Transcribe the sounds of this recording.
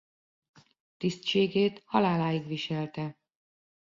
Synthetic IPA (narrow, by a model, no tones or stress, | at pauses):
t̪ist̪ʃeːɡeːt̪hɒlaːlaːjiɡʋiʃɛlt̪ɛ